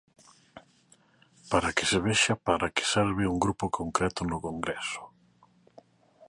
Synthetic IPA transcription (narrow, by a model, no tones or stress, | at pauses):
paɾakɪ̥seβeʃapaɾakɪ̥seɾβɪuŋɡɾupokʰoŋkɾɛt̪ʊnʊkoŋɡɾɛsʊ̥